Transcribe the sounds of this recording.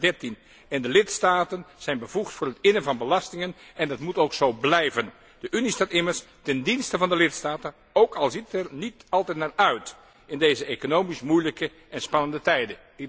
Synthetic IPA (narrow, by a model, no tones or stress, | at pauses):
dɛrtin | ɛndəlɪtstaːtənz̥ɛjnbəvuχtfʊːrətɪnəvɑnbəlɑstɪŋənɛndɑtmutowksowblɛjvən | dəʔynistaːtɪmərs | tɛndinstəvɑndəlɪtstaːtən | owkɑlˠzitɛrnitɑlˠtɛjtnaːrœɥt | ɪndejzəekonowmismujləkə | ʔɛnspɑnəndətɛjdə | ɪ